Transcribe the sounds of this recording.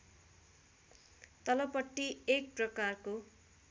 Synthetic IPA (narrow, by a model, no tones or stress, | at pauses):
t̪ʌlʌpʌʈːiek̚prʌkarko